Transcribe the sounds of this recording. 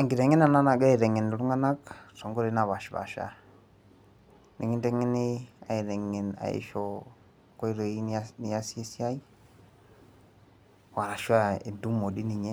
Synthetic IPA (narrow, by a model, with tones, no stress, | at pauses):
a˨ŋɡi˨ɾɛ˨ŋɛ˦na˨na˦na˨ɡa˦i˨ɾɛ˨ŋɛ˨n˨lu˦ŋa˦na˦ksɔ˨ŋɡɔ˦ɾe˨na˨βa˨ʃβa̰˨ʃa̰˨ | nɛ̰˨ŋi˦ntɛ˦ŋɛ˦nɪ˦a̰˨i˨ɾɛ˨ŋːɛ˨na̰˨ḛ˦ʃɔ˨ | kɔ˦i˦ɾɔ˨i˦n˦ni˦ja˦sɛ˦si˦a˦i˦ | wa˨ɾa˨ʃa˦e˨du˦mɔ˨di˦ni˨ɲɛ˦